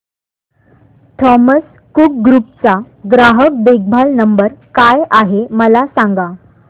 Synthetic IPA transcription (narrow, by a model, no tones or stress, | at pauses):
ʈʰɔməs | kuk̚ɡɾup̚t͡sa | ɡɾaɦək̚d̪eɡ̚bʱalnəmbəɾkajʔaɦeməlasãŋɡa